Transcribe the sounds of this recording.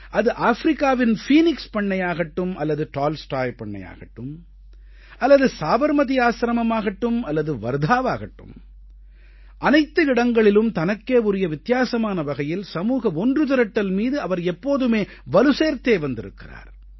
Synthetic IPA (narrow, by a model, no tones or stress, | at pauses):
ʔɐðɯʔaːfɾɪkːaːʋɪnfiːnɪkspɐɳːɐjaːɣɐʈːɯmʔɐlːɐðɯʈaːlsʈaːjpɐɳːɐ̰ja̰ːɣɐʈːɯm | ɐlːɐðɯsaːʋɐɾmɐðɪjaːsɾɐmɐmaːɣɐʈːɯmɐlːɐðɯʋɐɾd̪ʱaːʋaːɣɐʈːɯ̰m | ʔɐnɐɪt̪ːɯɪɽɐŋɡɐɭɪlɯmt̪ɐnɐkːeːʊɾɪjɐʋɪt̪ːjaːsɐmaːnɐʋɐɣɐjɪlsɐmuːɣɐɔndrɯt̪ɪɾɐʈːɐlmiːðɯɐʋɐɾɛpːoːðɯmeː | ʋɐlɯseːɾt̪eːʋɐnd̪ɪɾɯ̰kːɪ̰ra̰ːɾ